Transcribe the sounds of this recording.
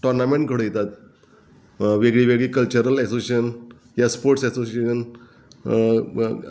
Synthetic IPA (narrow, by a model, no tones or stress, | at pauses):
ʈɔɾnamẽɳʈkəɽəjet̪at̪ | ʋeɡɭiʋeɡɭiːkəlt͡ɕəɾəlɛsoseɕən | jaspoɾʈsɛsoseən